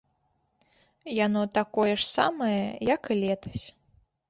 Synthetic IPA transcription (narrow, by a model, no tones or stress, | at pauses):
janɔt̪akɔjɛʂsa̰mɐjɐjɐkɨlʲɛt̪ɐ̥sʲ